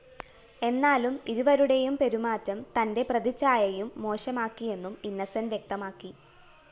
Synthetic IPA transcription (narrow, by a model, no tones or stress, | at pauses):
e̞nːaːlumiɾuʋɐɾuɽe̞jumpe̞ɾumaːtːɐmt̪ɐnde̞prɐðit͡ɕːaːjɐjumːo̞ːɕɐmaːkːije̞nːuminːɐsɐnʋje̞k̚t̪ɐmaːkːi